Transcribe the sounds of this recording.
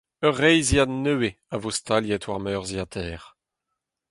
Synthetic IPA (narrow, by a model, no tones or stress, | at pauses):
œʁːɛjzianøːe | avost̪ʰaljɛtwaʁmœːʁziat̪ʰɛːʁ